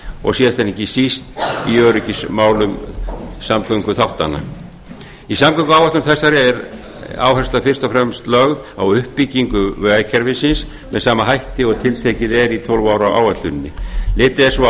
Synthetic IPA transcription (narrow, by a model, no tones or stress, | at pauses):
ɔ̰ɣsiːðast̪ɛnicɪsist̪iœːɾʏcɪsmaːwlʏmsamkʰœŋkʏθawht̪a̰nːa̰ | isamkœŋkʏaːwaht̪ʏmθɛsːaɾɪɛɾ | a̰ːwhɛr̥st̪afɪr̥t̪ɔfɾɛmst̪lœɣðawʏhpːiciŋkʏvœːacʰɛɾvɪsɪns | mɛsaːmaɦajht̪ɪɔɣt̪ʰɪlt̪ʰecɪðɛɾit̪ʰɔlvaːwɾawʔa̰ːwat̪lʏnːɪ̰lɪːt̪ɪɛsɔ